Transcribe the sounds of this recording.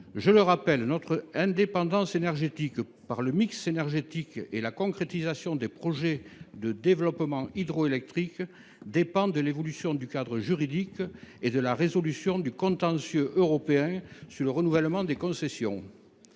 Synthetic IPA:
ʒələʁapɛlnɔt̪χəɛ̃d̪epɑ̃d̪ɑ̃senɛʁʒet̪ik | paʁləmiksenɛʁʒet̪ikḛlakɔ̃kχet̪izasjɔ̃d̪epχɔʒed̪əd̪evəlɔpəmɑ̃id̪ʁɔelɛk̚t̪χik | d̪epɑ̃d̪əlevɔlysjɔ̃d̪ykad̪ʁəʒyʁid̪iked̪əlaʁezɔlysjɔ̃d̪ykɔ̃t̪ɑ̃sjøʔøʁɔpeɛ̃syʁləʁənuvɛlmɑ̃d̪ekɔ̃sesjɔ̰̃

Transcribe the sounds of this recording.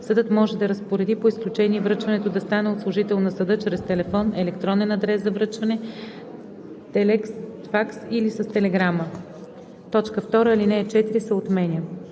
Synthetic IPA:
səd̪ɤt̪mɔʒɛd̪ɐɾəspoɾɛd̪ipoisklʲut͡ʃɛniɛvɾɤt͡ʃvɐnɛt̪od̪ɐst̪anɛot̪slˠoʒit̪ɛlˠnɐsəd̪ɤt͡ʃɾɛst̪ɛlɛfɔnɛlɛkt̪ɾɔnɛnɐd̪ɾɛszɐvɾɤt͡ʃvɐnɛ | t̪ɛlɛks | faksilisəst̪ɛlɛɡɾamə | t̪ɔt͡ʃkəft̪ɔɾəilinɛːt͡ʃɛt̪iɾisəot̪mɛnʲiə

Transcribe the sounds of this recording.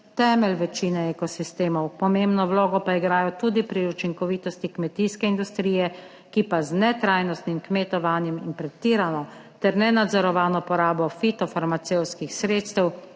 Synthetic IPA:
t̪ɛːmɛlʋɛt͡ʃiːnɛɛkɔsist̪eːmɔwpɔmembnɔwloːɡɔpaiɡɾaːjɔt̪uːd̪ipɾiut͡ʃiŋkɔʋiːt̪ɔst̪ikmɛt̪iskɛind̪ust̪ɾiːjɛ | kipaznɛt̪ɾaːjnɔst̪nimkmet̪ɔʋaːnjɛminpɾɛt̪ːiːɾanɔ | t̪ɛɾnɛnad̪zɔɾɔʋaːnɔpɔɾaːbɔfit̪ɔfaɾmat̪sewskixsɾeːt̪st̪ɛw

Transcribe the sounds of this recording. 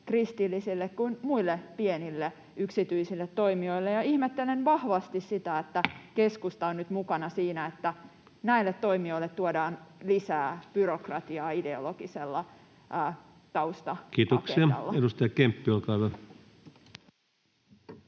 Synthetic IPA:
krist̪ilːisilːekkuinmuilːepienilːe | yksit̪yisilːet̪t̪oimio̞ilːejɑihmet̪ːelenʋɑhʋɑst̪issit̪æet̪ːækeskust̪ɑonnyt̪mukɑnɑsiːnæet̪ːæ | næilːet̪to̞imioilːet̪t̪ːuodɑːnlisæːb̥yrokrɑt̪iɑːide̞o̰loɡ̥iselːɑ | ʔː | t̪ɑust̪ɑkiːt̪okseiɑɑ̰lːɑedust̪ɑjɑkempːiolkɑˑiʋæ

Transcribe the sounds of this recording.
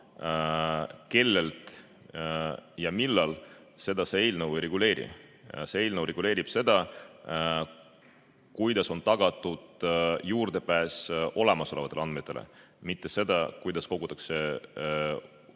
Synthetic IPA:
ke̞lːe̞lt̪ | jɑmilːɑl | se̞d̪ɑseejlnəweɾe̞ɡ̥ule̞ːɾḭ | see̞jlnəwɾeɡ̥ule̞ːɾib̥se̞d̪̥ɑ | kujd̪̥ɑso̞nt̪ɑɡ̥ɑt̪ːˑud̪̥juːrd̪̥e̞pæːso̞lemɑso̞le̞vɑt̪eleɑnd̪̥met̪ːˑe̞lḛ | mit̪ːˑe̞se̞d̪ɑkujd̪̥ɑsko̞ɡut̪ːˑɑkse̞

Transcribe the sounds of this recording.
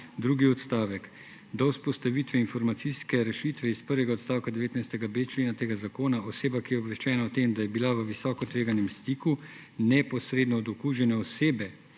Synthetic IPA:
d̪ɾuːɡiɔt̪st̪aːʋɛk | d̪awspɔst̪aʋit̪ʋɛinfɔɾmat̪siskɛɾɛʃit̪ʋɛispəɾʋɛɡaot̪st̪aːwkad̪ɛʋeːt̪najst̪ɛɡabeːt͡ʃleːnat̪eːɡazakoːnaɔseːbakijɛɔbʋɛʃt͡ʃɛːnaɔt̪emd̪ajɛbilaʋəʋisɔːkɔt̪ʋeːɡanɛmst̪iːku | nɛpɔsɾeːd̪nɔːd̪ɔkuːʒjɛnɛɔseːbɛ

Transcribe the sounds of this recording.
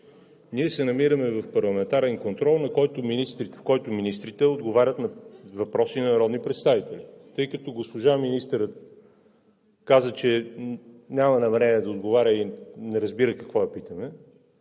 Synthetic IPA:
niɛsɛnɐmiɾəmɛvɐfpɐɾlˠɐmɛnt̪aɾɛnkont̪ɾɔlˠnɐkɔjt̪ominist̪ɾit̪fkɔjt̪ʊminist̪ɾit̪ɛod̪ɡovaɾʲət̪nɐvɐpɾɔsinɐnɐɾɔd̪nipɾɛt̪st̪avit̪ɛlʲit̪ɤjkɐt̪ɔɡospoʒaminist̪əɾət̪ | kazət͡ʃɛ | nʲamɐnɐmɛɾɛnɛd̪ɐod̪ɡovaɾʲəinɛɾɐzbiɾəkɐkvɔɐpit̪əmɛ

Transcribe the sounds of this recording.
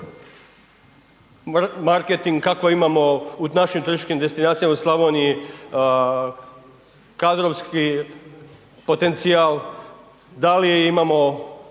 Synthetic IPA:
maɾket̪iŋɡkakʋoimamo̞unaʃimt̪uɾisi̥t͡ʃkimd̪e̞st̪inaːt̪sijamauslˠaʋonii | kad̪ɾo̞ʋski | po̞t̪e̞nt̪sial | d̪aliimamo̞

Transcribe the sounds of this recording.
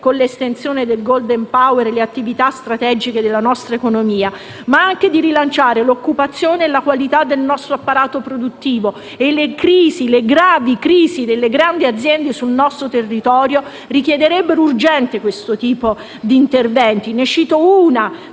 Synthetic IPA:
konlest̪ent̪sjoːned̪elɡold̪empaweɾleat̪ːivit̪ast̪ɾat̪ɛd͡ʒiked̪elːanɔst̪ɾaekonomiːa | maaŋk̟ed̪iɾilant͡ʃaːɾelokːupat̪sːjoːneːlakwalit̪ad̪ːelnɔst̪ɾoapːaɾaːt̪opɾod̪ut̪ːiːvo | elekɾiːzileɡɾaːvikɾiːzid̪elːeɡɾand̪iad̪zjɛnd̪esulnɔst̪ɾot̪erːit̪ɔːɾjo | rik̟jɛd̪eɾɛbːeɾourd͡ʒɛnt̪ekwest̪ot̪iːpo | d̪iːnt̪ervɛnt̪inet͡ʃiːt̪ouːna

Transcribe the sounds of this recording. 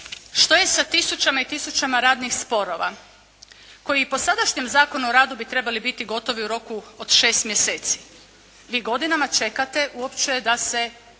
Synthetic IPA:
ʃt̪o̞je̞sat̪isut͡ʃamait̪isut͡ʃamaɾaːd̪nixspo̞ɾo̞ʋa̰ | ko̞jiːpo̞sad̪aʃɲemzaːko̞nuoɾaːd̪ubit̪ɾe̞balibit̪iɡo̞t̪o̞ʋiuɾo̞kuod̪̥ʃe̞ːst̪mjese̞ːt̪si̥ | ʋiːɡo̞d̪inamat͡ʃe̞kat̪e̞ʔuo̞pt͡ʃejed̪ase̞

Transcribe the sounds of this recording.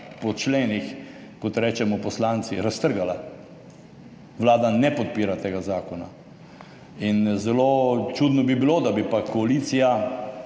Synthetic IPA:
pɔt͡ʃleːnixkɔt̪ɾɛːt͡ʃɛmɔpɔslaːnt̪siɾast̪əɾɡala | ʋlaːd̪anɛpɔt̪̚piːɾat̪eːɡazaːkɔna̰ | inzɛlot͡ʃud̪nɔbibilod̪abipakɔaliːt̪sija

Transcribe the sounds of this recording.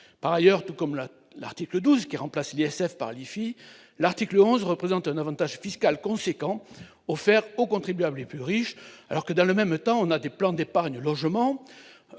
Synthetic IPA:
paʁajœʁt̪ukɔml | la̰ʁt̪ikləd̪uzkʲiʁɑ̃plasliɛsɛfpa̰ʁlifi | laʁt̪ikləɔ̃zʁəpχezɑ̃t̪ɛ̃navɑ̃t̪aʒfiskalkɔ̃sekɑ̃ | ɔfɛʁokɔ̃t̪χibɥabləleplyʁiʃa̰lɔʁkəd̪ɑ̃ləmɛmt̪ɑ̃ɔ̃nad̪eplɑ̃d̪epaʁɲəlɔʒmɑ̃

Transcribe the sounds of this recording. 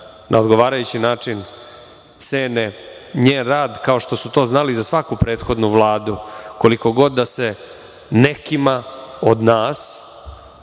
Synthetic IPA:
nʔa̰od̪ɡo̞ʋaːɾajut͡ɕinaːt͡ʂin | t̪seːneɲeːnɾaːd̪kao̞ʂt̪o̞sut̪o̞ːznalizasʋakupɾeːt̪xo̞d̪nuʋlˠaːd̪uko̞liko̞ɡo̞d̪ːase | nekimaod̪naːs

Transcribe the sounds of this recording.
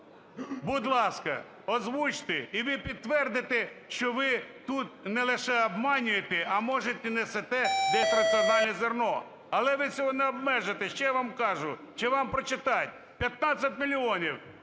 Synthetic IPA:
bʊd̪lˠɑskɐ̰ | ɔzʋut͡ʃt̪ɪiʋɪpʲid̪t̪ːʋɛrd̪ɪt̪ɪʃt͡ʃɔʋɪt̪ut̪̚nɛlˠɪʃɛɔbmɑnʲʊjet̪ɛɐmɔʒet̪ɛnɛsɛt̪ɛd̪ɛt̪ɾɐsɨɔnɑlʲnɛzernɔ | ɐlˠɛʋɪt͡sʲɔɦɔnɛɔbmɛʒet̪ɛʃt͡ʃɛʋamkɑʒʊ | t͡ʃɛʋɑmpɾɔt͡ʃɪt̪ɑtʲ | pʲjɐt̪̚nɑt͡sʲːɐt̚ʲmʲilʲiɔnʲiw

